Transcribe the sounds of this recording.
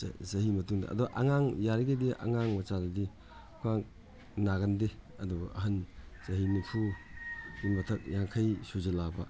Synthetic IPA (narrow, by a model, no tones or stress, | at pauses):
sɐhimɐtuŋdɐ̰ʔɐ̰duɡʔɐŋaŋjaɾiɡediʔɐ̰ŋaŋmɐt͡ʃadɐdi | kʰuaŋ | naɡɐndeɐdubɐ̰ʔɐɦɐnsɐɦinupʰu | inmɐtʰɐk̚jaŋkʰɐjsuzɐlabɐ̰